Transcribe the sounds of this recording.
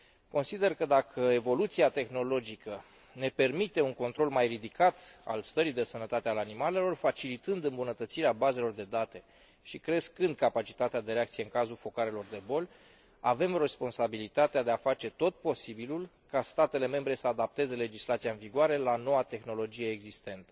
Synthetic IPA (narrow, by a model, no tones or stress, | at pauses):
ko̞nsid̪e̞rkəd̪akʰəe̞vo̞lut̪siat̪e̞xno̞lo̞d͡ʒikə | ne̞pe̞rmit̪e̞uŋko̞nt̪ɾo̞lmajrid̪ikat̪a̰lst̪əɾid̪e̞sənət̪at̪ealanimale̞lo̞rfat͡ʃilit̪ɨnd̪ɨmbunət̪ət̪siɾeabaze̞lo̞rd̪e̞d̪at̪e̞ | ʃikɾe̞skɨnd̪̚kapat͡ʃi̥t̪at̪ead̪e̞ɾeakt̪sije̞ɨŋkazulfo̞kaɾe̞lo̞rd̪e̞bo̞lʲ | a̰ve̞mre̞spo̞nsabilit̪at̪ead̪e̞afat͡ʃe̞t̪o̞t̪̚po̞sibilul | kast̪at̪e̞le̞me̞mbɾe̞səad̪ap̚t̪e̞ze̞le̞d͡ʒislat̪sijaɨnviɡoaɾe̞lano̞wat̪e̞xno̞lo̞d͡ʒije̞ːɡzist̪e̞nt̪ə̥